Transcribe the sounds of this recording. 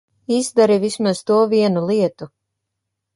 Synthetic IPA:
izd̪aɾivismaz̥t̪uɔviɛnulˠiɛt̪u

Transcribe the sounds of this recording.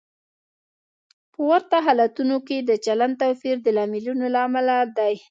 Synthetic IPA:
pəwaɾt̪aɦɑlat̪unoked̪ət͡ʃaland̪t̪awfiɾd̪əlɑmɪlunolaːmalad̪aj

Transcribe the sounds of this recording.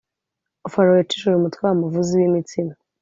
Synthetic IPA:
ofaɾowet͡ʃi̥ʃuɾumutkwaːɾumuvuziwimit͡sina

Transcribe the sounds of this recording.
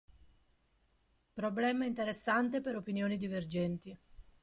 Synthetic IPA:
pɾoblɛːmaint̪eɾesːant̪epeɾopinjoːnid̪iverd͡ʒɛnt̪i

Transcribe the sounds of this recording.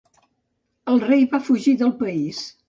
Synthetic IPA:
əlˠrejβafuʒiðəlˠpəis

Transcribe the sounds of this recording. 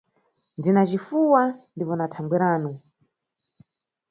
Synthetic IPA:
ndinat͡ʃifuwandipɔnatʰaŋɡwiɾaːnu

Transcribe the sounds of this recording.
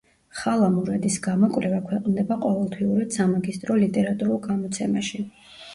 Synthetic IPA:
χalˠamuɾad̪isɡamɔkʼɾɛvakʰwɛqʼnd̪ɛbaqʼɔvɛlˠt̪ʰwiuɾad̪̥samaɡist̪ʼɾɔlit̪ʼɛɾat̪ʼuɾulˠɡamɔt̪sʰɛmaʃi

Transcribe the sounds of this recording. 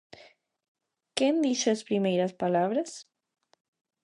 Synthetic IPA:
kend̪isespɾimejɾaspalaβɾas

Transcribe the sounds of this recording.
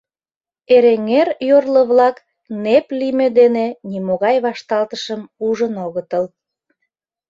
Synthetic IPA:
eɾeŋerjorləβlɑk | neplimed̪enenimoɣɑjβɑʃt̪ɑlt̪əʃəmuʒənoɣət̪əl

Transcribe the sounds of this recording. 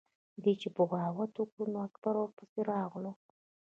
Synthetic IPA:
d̪et͡ʃepəɣɑwat̪wukɽunoakbaɾoɾpəseɾɑɣlu

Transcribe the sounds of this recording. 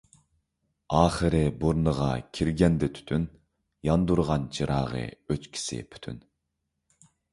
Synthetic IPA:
ɑːχəɾɨbuɾnəʁɑ̰kʲʰiɾɡʲɛnd̪ɪt̪ʰy̥t̪ʰyn | jɑnd̪uɾʁɑnt͡ʃʰiɾʔɑːʁə̰øt͡ʃkʲʰi̥sɪ̰pʰy̥t̪ʰy̰n

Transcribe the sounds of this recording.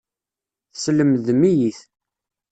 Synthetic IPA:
θsləmðmijiθ

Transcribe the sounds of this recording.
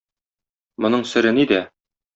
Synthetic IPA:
mŏnɤɴsɘ̆ɾɘnid̪æ

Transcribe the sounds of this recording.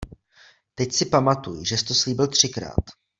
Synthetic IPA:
t̪ɛcsɪpamat̪ujʒɛsɪ̥t̪osliːbɪlt̪r̝̥ɪkɾa̰ːt̪

